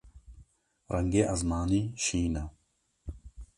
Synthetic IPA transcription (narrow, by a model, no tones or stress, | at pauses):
ɾʔɐŋɡeʔɐzmaːniɕiːna